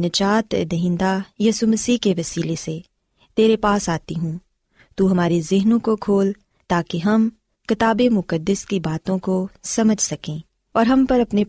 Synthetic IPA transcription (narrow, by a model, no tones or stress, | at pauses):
nɐt͡ʃaːt̪ːd̪ɐɦɪ̃nd̪ajiːsumɐsiːɦkeʋɐsiːlese | t̪eːɾepaːsaːt̪iɦũː | t̪uɦɐmaːɾezɪɦnõkokʰoːl | t̪aːkiɦɐm | kɪt̪aːbemʊkəd̪ːəskibaːt̪õkosɐməd͡ʒʱsɐkẽː | ɔːɾɦɐmpɐɾɐpne